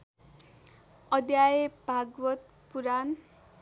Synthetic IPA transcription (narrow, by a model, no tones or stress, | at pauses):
ʌd̪jajebʱaɡwʌt̪̚ | puɾan